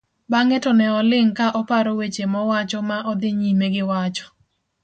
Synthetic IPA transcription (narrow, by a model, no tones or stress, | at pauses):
baŋɛtɔnɛɔlɪŋkaʔɔpaɾowet͡ʃemɔwat͡ʃɔmaʔɔd̪ɪɲimeɡɪwat͡ʃɔ̥